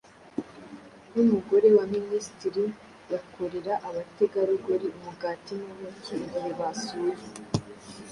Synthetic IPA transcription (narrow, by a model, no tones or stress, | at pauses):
numuɡo̞ɾe̞waministiɾi | jakʰo̞ɾe̞ɾaʔaβate̞ɡaɾuɡoɾiumuɡaːtinumukiɡaɾiβasuje